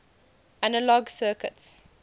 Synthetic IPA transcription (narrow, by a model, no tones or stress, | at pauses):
ʔanəlɔɡsɜːkəts